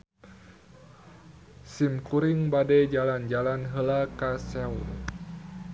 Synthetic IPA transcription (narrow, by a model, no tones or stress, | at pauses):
simkuɾiŋbadɛd͡ʒaland͡ʒalanɦəlakasɛṵl